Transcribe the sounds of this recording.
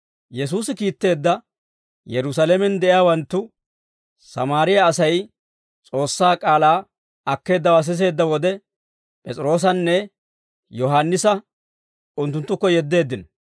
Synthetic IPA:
jɛs̬uːsɪkiːt̪ːe̞ːd̪ːɐ | jɛɾʊsalemɛnd̪ɛʔɪjaːwɐnt̪ːʊ | sɐmaːɾɪjaːsɐj | t͡sʼo̞ːsːaːkʼaːlaː | ɐkːe̞ːd̪ːɐwas̬ɪs̬e̞ːd̪ːɐwɔd̪ɛ | pʼɛt͡sʼɪɾo̞ːs̬ɐnːɛ | jɔɦanːɪsɐ | ʊnt̪ːʊnt̪ːʊkːɔjɛd̪ːe̞ːd̪ːɪn

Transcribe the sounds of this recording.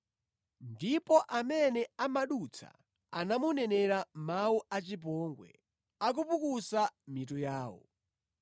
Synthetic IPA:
ndipɔʔamɛnɛamaɗut͡sʰa̰ | anamunɛnɛɾamawuʔat͡ʃip̬ɔŋɡwɛ̰ | ak̬upukusamit̬ujaːwɔ̰

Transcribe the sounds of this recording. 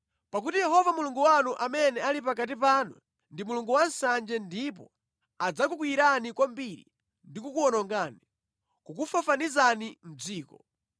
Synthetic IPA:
pak̬utijɛɦɔvamuluŋɡuwanuʔamɛnɛalipak̬at̬ip̬anṵ | ndimuluŋɡuwansand͡ʒɛndip̬ɔ | ad͡zak̬uk̬wiiɾanikwambiɾḭ | ndikukuɔnɔŋɡaːni | kukufafanizanim̩d͡ziːkɔ

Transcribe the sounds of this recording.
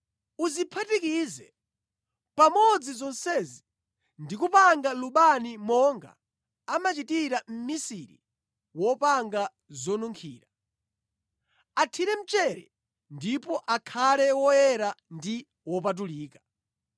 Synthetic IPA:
uzipʰatikizɛ | pamɔd͡zizɔnsɛzi | ndik̬upaŋɡaluɓanimɔŋɡa̰ː | mat͡ʃitiɾam̩misiɾḭ | wɔpaŋɡa | zɔnuŋkʰiːɾa | atʰiɾɛm̩t͡ʃɛɾɛ̰ | ndipɔʔakʰalɛwɔjɛɾandi | wɔpat̬uliːkḁ

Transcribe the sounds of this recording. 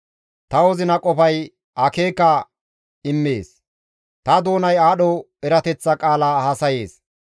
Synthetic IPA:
t̪ɐwɔzɪnɐkʼɔpɐj | ʔɐke̞ːkːɐ | ɪmːḛːs | t̪ɐd̪o̞ːnɐjaːɗɔ | ɛɾɐt̪ɛt͡sːɐkʼaːlahɐsɐje̞ːs

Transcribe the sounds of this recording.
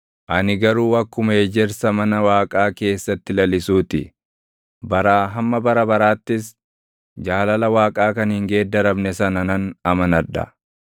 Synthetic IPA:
ʔɐnɪɡɐɾuːɐkːʊmɐed͡ʒɛɾsɐmɐnɐwaːkʼaːke̞ːsːɐt̪ːɪlɐlɪsuːt̪ɪ | bɐɾaːɦɐmːɐbɐɾɐbɐɾaːt̪ːɪs | d͡ʒaːlɐlɐwaːkʼaːkɐnhɪŋɡe̞ːd̪ɐɾɐbnɛsɐnɐnɐnɐmɐnɐᶑɐ̰

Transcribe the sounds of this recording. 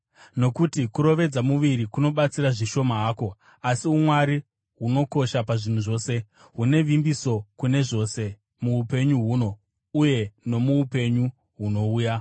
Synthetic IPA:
no̞kutikuɾo̞ʋe̞d͡zamuʋiɾikuno̞ɓat͡siɾaʐiʃo̞maɦaːko̞ | asiumwaɾi | ɦuno̞ko̞ʃapaʐin̤uʐo̞ːse̞ | ɦune̞ʋimbiso̞kune̞ʐo̞ːse̞ | muupe̞ɲuɦuːno̞ | uje̞no̞muupe̞ɲu | ɦuno̞uːja

